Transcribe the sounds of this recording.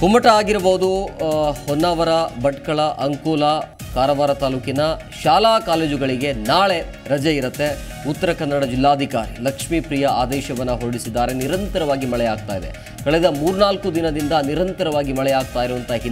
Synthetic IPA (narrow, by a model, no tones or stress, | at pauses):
kumɐʈɐaːɡiɾɐboɦud̪u | hɔnːaːʋɐɾɐbɐʈkɐɭɐʔɐŋkoːlɐkaːɾɐʋaːɾɐt̪aːluːkinɐ | ʃaːlaːkaːleːd͡ʒiɡɐɭiɡe̞naːɭe̞ | ɾɐd͡ʒɐiɾɐt̪ːe̞ | ut̪ːɐɾɐkɐnːɐɽɐd͡ʒilːaːd̪ʱikaːɾilɐkʂmipɾijɐaːd̪ɛːʃɐʋɐnːɐɦoːɽisid̪ːaːɾe̞niɾɐnt̪ɐɾɐʋaːɡimɐɭɛjaːɡ̚t̪aːjd̪e̞̰ | kɐɭɛd̪ɐmuːɾunaːlkud̪inɐd̪ind̪ɐniɾɐnt̪ɐɾɐʋaːɡimɐɭɛjaːɡ̚t̪aːjiɾuʋɐnt̪ɐɦin